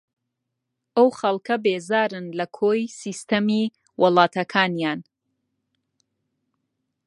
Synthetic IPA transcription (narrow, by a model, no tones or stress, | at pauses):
ʔɐwxɐlˠkɐbeːzaːɾɨnlɐkʰoːjsist̪ɐmi | wʔɨlˠɑːt̪ʰɐkʰaːnjaːn